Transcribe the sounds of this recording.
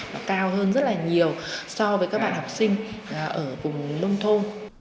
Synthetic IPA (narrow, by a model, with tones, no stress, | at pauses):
kaː˧wɦəː˧nzə˦˥t̚laː˨˩ɲi˨˩əwsɔ˧vəː˨˦jkaː˦˥ɓa̰ː˧˨hɔ˨˩k͡p̚sï˧ŋ̟˨˩ʔəː˧˩vʊ˨˩ŋ͡mlə˧wŋ͡mt̪ʰo˧n